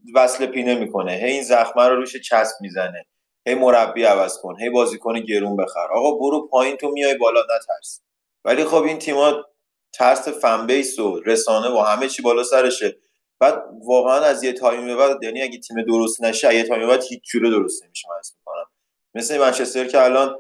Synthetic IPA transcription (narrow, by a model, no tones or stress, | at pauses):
væsle̞pʰiːnemiːkʰo̞ne̞ɦe̞jinzæxmæɾoɾuːʃet͡ʃʰæsp̚mizæne̞ | he̞jmo̞ɾæbːiævæz̥kʰo̞nɦe̞jbɒːziːkʰo̞niɟe̞ɾuːnbe̞xæ̰ɾʔɒ̰ːɣɒːboɾupʰɒːjint̪ʰo̞mijɒjbɒːlɒːnæt̪ʰæɾs | væ̰lixo̞bint̪ʰimɒ | t̪ʰæɾsefæmbe̞jsoɾe̞sɒːne̞vohæme̞t͡ʃʰiːbɒːlɒːsæɾe̞ʃe | b̥æd̪̚vɒːɣeænæzjet̪ʰɒːjimbevæd̪d̪jæniæɟet̪ʰiːmed̪oɾost̪næʃiæjet̪ʰɒːjimbeæd̪hiːt͡ʃʰd͡ʒuːɾed̪o̞ɾo̞st̪nemiʃæmæzmiko̞næmː | e̞slemænt͡ʃʰe̞st̪e̞ɾcʰeælɒːn